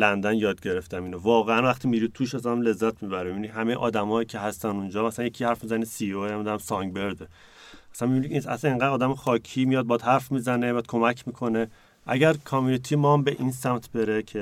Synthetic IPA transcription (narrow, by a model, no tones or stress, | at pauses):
lænd̪ænjɒːd̪ɟe̞ɾeft̪æmiːnovɒːɣeænvæχt̪ʰimiɾid̪̚t̪ʰuːʃæsænmle̞zːæt̪ʰmibæɾimibinihæmejeʔɒ̰ːd̪æmɒːjicʰeɦæst̪ænund͡ʒɒːmæsænjekʰihæɾfmizænisioæmd̪æmsɒŋɡbe̞ɾd̪e | æsænmibiniisæ̰sæneŋɡæd̪ɒːd̪æmexɒːkʰiːmijɒd̪̚bɒːd̪̥hæɾfmiːzænemijad̪̚kʰo̞mæcʰmiːkʰo̞ne | ʔæ̰ɟæɾkʰɒmjunit̪ʰiːmɒmbeʔinsæmt̪ʰbeɾecʰe